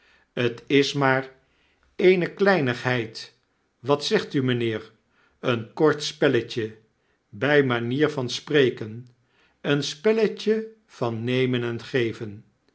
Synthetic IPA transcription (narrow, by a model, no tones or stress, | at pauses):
ətɪsmaːr | ejnəklɛjnəχɦɛjt | ʋɑtsɛχtymənɪːr | ənkɔɹtspɛləcə | bɛjmaniːɹvɑnsprejkən | ənspɛləcə | v̥ɑnːejmənɛnχejvən